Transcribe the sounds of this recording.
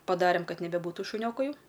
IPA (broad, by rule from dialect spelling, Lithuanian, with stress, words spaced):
pɐˈdɑːrʲeːm ˈkɐt nʲɛbʲɛˈbuːtʊ ʃʊˈnʲoːkʊ ˈjɛʊ